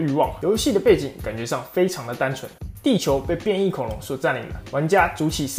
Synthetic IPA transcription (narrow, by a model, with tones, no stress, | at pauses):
y˥˧wɑ˥˩ŋjo˧˥ʊɕi˥˨˩d̪ə˩pe˥˩ɪt͡ɕi˨˩ŋka˨˩nt͡ɕɥɛ˧˦ʂɑ˥˩ŋfe˥ɪʈ͡ʂʰɑ˧˥ŋd̪ə˨t̪a˥nt͡sʰwə̰˧˦nt̪i˥˩t͡ɕʰjo˧˥ʊpe˥˧ɪpjɛ˥˧ni˥˩kʰo˨˩ʊlʊ˧˦˥ŋswɔ˨˩t͡sa˥˩nlḭ˨˩ŋd̪ə̰˦wa˧˥nt͡ɕja˥t͡su˧˥t͡ɕʰi˨˩s